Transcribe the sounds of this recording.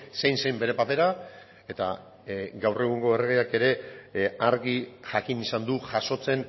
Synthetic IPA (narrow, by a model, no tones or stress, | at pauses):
se̞jnse̞jmbe̞ɾe̞pape̞ɾa | e̞t̪a̰ | ɡawre̞ɣ̞uŋɡo̞ereɣeake̞ɾe̞aɾɣiʝakinisand̪uʝaso̞t͡se̞n